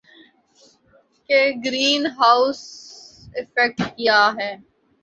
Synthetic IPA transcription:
keɡɾiːnɦaːʊs | ɪfɛk̚ʈkijaɦɛː

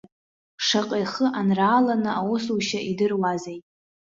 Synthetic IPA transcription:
ʂaqʼejχəʔanraːlanɨawosuʃaʔidɨrwazejtʼ

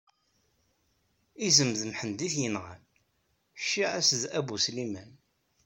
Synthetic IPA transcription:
izəmðəmħənd̪iθjənʁə̰n | ʃːiʕæsðæbuslimæn

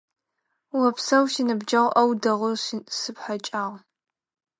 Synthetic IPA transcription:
wɐpsɐwʃinɨbd͡ʒɐʁʷʔɐwdɐʁʷʊʃsɨpħat͡ʃʼaːʁ

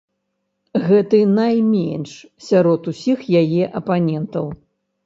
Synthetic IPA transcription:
ɣɛt̪ɨnajmʲɛ̰nʲʂsʲaɾɔt̪usʲixjajɛʔɐpanʲɛnt̪ɐw

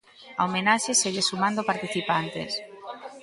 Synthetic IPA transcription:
ɐ̰omenaʃeseɣesumãnd̪opaɾt̪iθipant̪ḛs

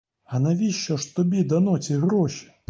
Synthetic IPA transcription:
ɐnɐvʲiɕːɔʂt̪ʊbʲid̪ɐnɔt͡sʲiɣɾɔɕi̥

